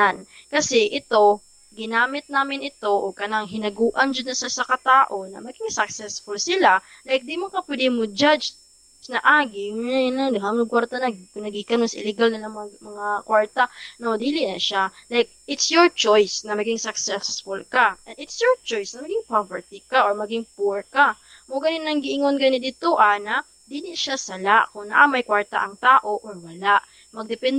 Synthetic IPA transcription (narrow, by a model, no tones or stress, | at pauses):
an | kɐsɛʔɪt̪o̞ | ɡɪnaːmɪt̪̚naːmɪnɪt̪o̞ʔokɐlaŋɦɪnɐɡuːʔɐnd͡ʒanɐsasɐkɐt̪aːʔo̞nɐ̰mɐɡɪŋsɐksɛsfʊlsɪla | lajk̚d̪imʊkɐpwɛd̪ɪmod͡ʒad͡ʒ | snɐʔaːɡɪŋjnand̪hamɐkwaɾt̪ɐnɐɡnɐɡikɐnosʔɪ̰lɛɡalnɐlɐŋmmɐŋakwaɹt̪ɐnod̪iːlɪnɐʃalajk̚ʔɪt̪sjɔɹt͡ʃojsnɐmɐɡɪŋsɐksɛsfʊlkaʔɛnd̪ɪt̪sjɔɹt͡ʃojsnɐmɐɡɪŋpavɛɹt̪ikaʔoɹmɐɡɪŋpuɹka | moɡɐnɪnɐŋɡɪʔɪŋonɡɐnɪd̪ɪt̪ʊʔanɐ | d̪iːlɪʃasɐlaʔkʊŋnɐ̰ʔamajkwaɹt̪a̰ʔɐŋt̪aːʔo̞ʔoɹwɐlaʔ | mɐɡ̚d̪ɛpɛn